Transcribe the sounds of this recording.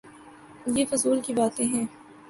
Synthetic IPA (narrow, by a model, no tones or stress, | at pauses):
jeːfʊzuːlkibaːt̪ẽɦɛ̃ː